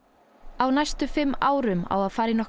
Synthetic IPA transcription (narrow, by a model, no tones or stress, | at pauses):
awnajst̪ʏfɪmːaːwɾʏma̰waðfaːɾɪnɔh